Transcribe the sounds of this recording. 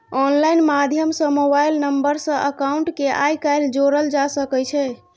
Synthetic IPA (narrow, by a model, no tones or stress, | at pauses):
ɔnlajnmad̪ʱjəmsə̃mobajlnəmbəɾsə̃ʔəkauɳʈkeʔa̰jkajld͡ʒoɾəld͡ʒasəkɛt͡ʃʰɛ